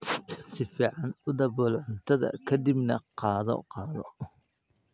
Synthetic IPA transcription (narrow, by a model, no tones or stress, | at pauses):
sɪfiːʕɑnʊd̪ɐβɔːlʕʊnt̪ʰɐðɐ̰kʰɐd̪ɪbnɐqɑːðɔ̰qɑːðɔ